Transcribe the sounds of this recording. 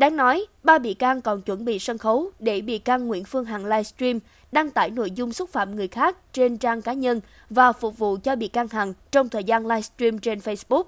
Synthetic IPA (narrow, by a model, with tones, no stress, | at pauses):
ɗaː˨˦ŋnɔ˨˦jɓaː˧ɓḭ˧˨kaː˧ŋkɔ˨˩nt͡ɕwə˧˩nɓḭ˧˨sə˧nxə˨˦wɗe˧˩ɓḭ˧˨kaː˧ŋːwḭ˧˥ənfɨ˧əŋɦa˨˩ŋlaː˧jst̪ɹi˧m | ɗaː˧ŋt̪aː˧˩jno̰˧˨jzʊ˧ŋ͡msʊ˦˥t̚fa̰ː˧˨mŋɨ˨˩əjxaː˦˥k̚t͡ɕe˧nt͡ɕaː˧ŋkaː˨˦ɲə˧n | vaː˨˩fʊ˨˩k͡p̚vṵ˧˨t͡ɕɔ˧ɓḭ˧˨ka˧ŋɦa˨˩nt͡ɕɔ˧wŋ͡mt̪ʰəː˨˩jzaː˧nlaː˧jst̪ɹi˧mt͡ɕe˧nfə˧jsɓʊ˦˥k̚